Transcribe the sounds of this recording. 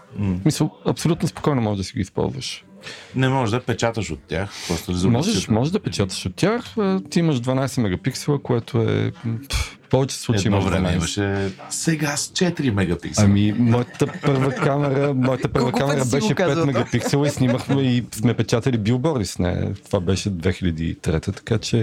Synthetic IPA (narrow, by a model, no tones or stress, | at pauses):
smisəlˠɐpsolʲut̪nospo̥kɔjnomɔʒɛʒd̪əsiɡispɔ̰lˠzvə̰ʃ | nɛmɔʒd̪ɐpɛt͡ʃat̪əʃot̪ːʲa̰xɾɔst̪olizmɔʒɛʃmɔʒɛʒd̪ɐpɛt͡ʃat̪ə̥ʃot̪tːʲaxət̪iiməʃd̪vɐnajsɛmɛɡɐpiksɛlˠəkoɛt̪oɛ̰ | fpɔvɛt͡ʃɛ̥slˠuɐijmɔvɾɛ̰mɛiimɐʃɛsɛɡast͡ʃɛt̪ɾimɛɡɐpḭksɐmimɔjət̪əpɤɾvəkamɛɾəmɔjət̪əpɤɾvəkamɛɾəbɛʃɛpɛt̪mɛɡɐpiksɛlˠəisniməxmɛismɛpɛt͡ʃat̪ɐlibilˠbɔɾisnɛ̰t̪ovabɛʃɛd̪vɛxilʲɐd̪iːt̪ɾɛt̪ət̪ɐ̥kat͡ʃɛ